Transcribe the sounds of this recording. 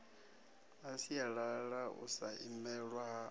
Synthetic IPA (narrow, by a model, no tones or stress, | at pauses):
asijaɺaɺaṵsaʔimɛɺwaɦa